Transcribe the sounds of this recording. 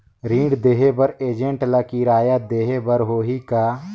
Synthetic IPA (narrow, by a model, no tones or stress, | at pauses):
ɾĩːɖd̪eːɦebəɾeːd͡ʒẽɳʈlakiɾaːjad̪eːɦebəɾɦoːɦika